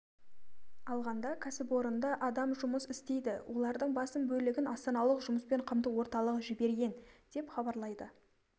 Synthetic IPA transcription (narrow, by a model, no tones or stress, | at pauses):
ɑlˠʁɑnd̪ɑkʲʰæsɪpwo̞ɾənd̪ɑʔɑd̪ɑmʒʊməsɪst̪e̞jd̪ɪwʔo̞lˠɑɾd̪əɴbɑsəmbɵlɪɡʲɪnɑst̪ɑnɑlˠəqʒʊməspe̞ɴqʰəmt̪əwo̞ɾt̪ɑlˠəʁəʒɪbe̞ɾɡʲe̞nd̪̥e̞pχɑbɑɾlˠɑjd̪ə